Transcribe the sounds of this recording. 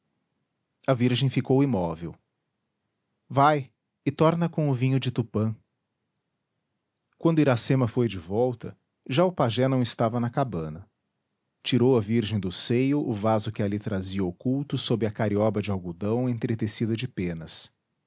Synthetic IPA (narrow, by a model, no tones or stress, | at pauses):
ɐviɾʒẽj̃fikowimɔvḛw | vaj | ɪt̪ɔɾnɐkõʊvĩɲʊd͡ʒɪt̪upɐ̃ | kwɐ̃nd̪ʊiɾasẽmɐfojd͡ʒɪvɔwt̪ɐ | ʒaʊpaʒɛnɐ̃w̃ɪst̪avɐnɐkabɐ̃nɐ | t͡ʃiɾowɐviɾʒẽj̃d̪ʊsejʊʔʊvazʊkɪalit̪ɾaziɐokuwt̪ʊsobɾɪɐkaɾiɔbɐd͡ʒɪawɡud̪ɐ̃w̃ẽt̪ɾet̪esid̪ɐd͡ʒɪpẽnɐs